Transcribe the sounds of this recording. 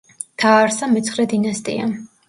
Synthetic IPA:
t̪ʰaːɾsamɛt̪sʰχɾɛd̪inast̪ʼḭa̰

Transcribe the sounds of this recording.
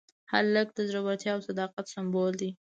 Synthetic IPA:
ha̰lləɡ̚d̪əzɾawaɾt̪jɑawsad̪ɑqat̪sɪmbold̪i

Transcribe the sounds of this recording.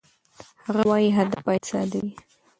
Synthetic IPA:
haɣawɑjiɦad̪apajsɑ̰d̪awi

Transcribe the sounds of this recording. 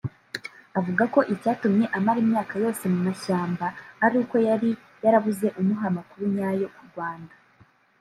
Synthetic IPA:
avuɡako̞ʔicaːtumɲe̞ʔamaɾimɲaːkajo̞ːse̞mumaʃaːmbaːɾuːko̞jaɾi | jaɾaβuze̞ʔumuɦamakuɾuɲaːjo̞kuɾɡwaːnda

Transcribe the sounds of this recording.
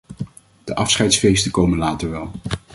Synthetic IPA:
d̥əʔɑfsχɛjtsfejstəkowmənlaːtəɹʋɛlˠ

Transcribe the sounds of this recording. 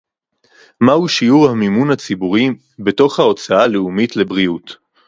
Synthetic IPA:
mahuʃiuʁhamimunhat͡sibuʁi | be̞to̞χhao̞t͡saaleumitle̞bʁiut

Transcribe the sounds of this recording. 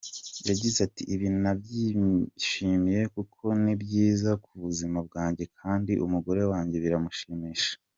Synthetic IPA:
jaɟizatiʔiβinunabɟiʃimije̞kukʰo̞nibɟiːzakuβuzimab̚ɡaːɲɟe̞kʰaːndiʔumuɡo̞ɾe̞waːɲɟe̞βiɾamuʃimiʃḁ

